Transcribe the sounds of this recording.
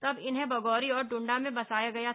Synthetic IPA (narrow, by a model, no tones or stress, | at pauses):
t̪ɐbɪnɦẽbɐɡɔːɾiɔːɾɖʊ̃ɳɖamẽbɐsaːjaɡɐja